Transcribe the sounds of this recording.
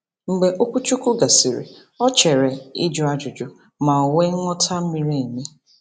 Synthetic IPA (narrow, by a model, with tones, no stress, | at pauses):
ŋ͡m̩˨ɡ͡be˨ʔo˦kʷu˦t͡ʃu˦kʊ˦ɡa˨si˨ɾḛ˨ | ɔ˦t͡ʃe˨ɾe˨i˦d͡ʒʊ˦a˦d͡ʒʊ˨d͡ʒʊ˨ | ma˨o˨we˦ŋʷɔ˦tʰa˦m̩˦mi˨ɾi˦e˨me˦